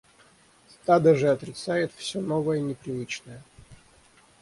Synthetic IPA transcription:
st̪ad̪əʐɨɐt̪ɾʲɪt̪sajɪt̪fsʲonovəjənʲɪpɾʲɪvɨt͡ɕnəjə

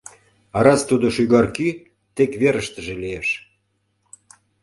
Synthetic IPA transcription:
ɑɾɑst̪ud̪oʃyɣɑrky | t̪ekβeɾəʃt̪əʒelijeʃ

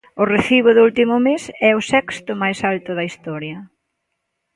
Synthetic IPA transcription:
ʊreθiβ̞ʊðʊult̪imʊmesɛʊsɛkst̪ʊmajsalt̪ʊðɐist̪ɔɾjɐ

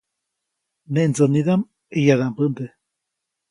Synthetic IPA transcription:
neʔnd͡zoniðam | ejaðambɨnd̪e

